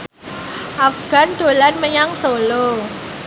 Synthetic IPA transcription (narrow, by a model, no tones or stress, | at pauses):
ʔafɡ̥a̤nd̪̥o̤lanməɲaŋsolo